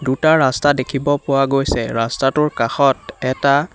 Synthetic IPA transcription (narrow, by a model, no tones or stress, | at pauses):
dutaɹastadekʰibɔpʊwaɡojsɛɹastatʊɹkaxɔtɛta